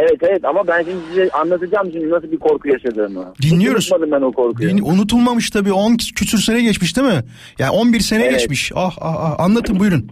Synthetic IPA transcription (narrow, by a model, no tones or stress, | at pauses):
evɛt̪evɛt̪amabænʃimd̪isizɛʔanlˠat̪ʰɯd͡ʒaːmʃimd̪inas̬ɯlˠbiɾkʰo̞ɾkʰujaʃad̪ɯɾmad̪inlːʲijo̞ɾumad̪ɯmbænukʰoɾkuiunut̪ʰulˠmamɯʃt̪ʰabiːo̞ncʰysʰyɾse̞nɛɟɛt͡ʃmiʃd̪imɪ | jaːnʲʔo̞nbiɾse̞nɛɟɛt͡ʃmiʃaha̰haha̰nlˠat̪ʰɯmbujɾun